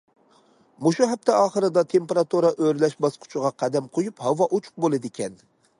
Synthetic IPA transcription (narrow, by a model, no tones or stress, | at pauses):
moʃuɦæp̚t̪ʰɛɑːχəɾɨd̪ɑt̪ʰempeɾɑt̪uɾɑʔøɾlɛʃbɑsqʰʊ̥t͡ʃʰʊʁɑqʰæd̪ɛmqʰojuphɑwɑʔot͡ʃʰʊ̥q̚bolˠɨd̪ɪkʲɛn